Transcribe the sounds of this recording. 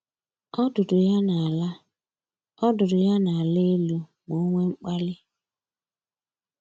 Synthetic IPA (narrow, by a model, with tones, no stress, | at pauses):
ɔ˦dʊ˨dʊ˨ja˦na˨a˨la˦ | ɔ˦dʊ˨dʊ˨ja˦na˨a˨le˦e˦lu˦mo˨˦ŋʷe˦ŋ͡m̩˦k͡pa˦lɪ˦